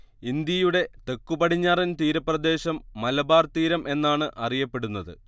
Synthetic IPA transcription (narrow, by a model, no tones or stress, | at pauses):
ind̪jɐjuɽe̞t̪e̞kːubɐɽiɲːaːrint̪iːɾɐprɐd̪e̞ːɕɐmːɐlɐbaːrt̪iːɾɐmʔe̞nːaːɳɨʔʔɐrijɐpːe̞ɽunːɐðɨ̰